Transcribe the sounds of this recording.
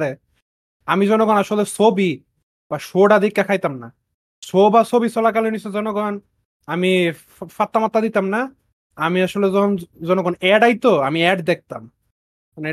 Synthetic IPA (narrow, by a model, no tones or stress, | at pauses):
ɾe | amizɔnɔɡɔnaʃolesobi | baʃoɽad̪ikːakʰajt̪amna | sobasobisɔlak̬alinisezɔnoɡɔn | ami | fat̪ːamat̪ːad̪it̪amna | amiaʃoleɔzɔnɔɡɔnɛɖajt̪oamiɛɖd̪ek̚t̪a̰m | n